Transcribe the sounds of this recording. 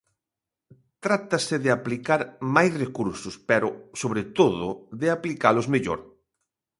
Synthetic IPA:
t̪ɾat̪asɪðɪaplikaɾmajsrekuɾsʊspɛɾʊsoβɾet̪oðʊ̰ðɪaplikalʊzmeʎo̰ɾ

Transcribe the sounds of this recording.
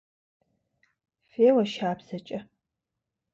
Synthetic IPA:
feːwɐʃaːbz̥ɐt͡ʃʼɐ

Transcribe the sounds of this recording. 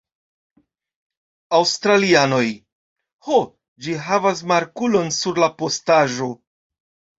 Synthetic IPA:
awstɾaliano̞j | ho | d͡ʒiɦavas̬maɾkulo̞nsuɾlapo̞staʒo̞

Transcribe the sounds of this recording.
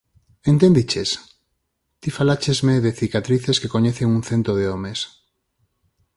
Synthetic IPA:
ent̪end̪it͡ʃes | t̪ifalat͡ʃezmeðeθikat̪ɾiθeskekoɲeθeŋunθent̪ɾoð̞eomes

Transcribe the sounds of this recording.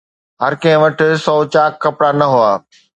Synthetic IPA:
ɦɐɾkɐ̃ɦɪ̃ʋɐʈʰɪ̆sɔːt͡ɕaːkkːɐpɽanɐɦʊaː

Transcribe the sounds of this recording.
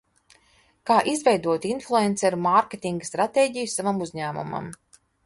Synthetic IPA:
kaːʔizvʲɛjd̪uɔt̪inflˠuɛnt̪sɛɾumaɾkʲet̪ʲiŋɡast̪ɾat̪eːɟijusavamuzʲɲæːmṵma̰m

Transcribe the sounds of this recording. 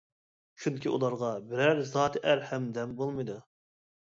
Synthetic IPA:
t͡ʃʰuŋkʲiṵlˠɑɾʁɑbɪɾæɾzɑːt̪ʰʔæɾhɛmd̪ɛmbolˠmɨjd̪u

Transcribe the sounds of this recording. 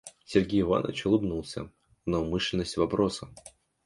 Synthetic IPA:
sʲɪrɡʲejɪva̰nə̰t͡ɕʊlˠɨbnulˠsʲə̰ | nəʊmɨʂlʲɪnːəsʲtʲvɐpɾo̞sə

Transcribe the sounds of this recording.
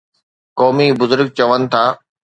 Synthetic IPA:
kɔːmibʊzʊɾɡ̚t͡ɕɐʋənɪ̆t̪ʰaː

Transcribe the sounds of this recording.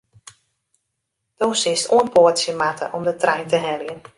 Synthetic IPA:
d̥oːsɪstuənpoətsjəmatʰə̰ʔɔmdətrɛjntəɦɛljən

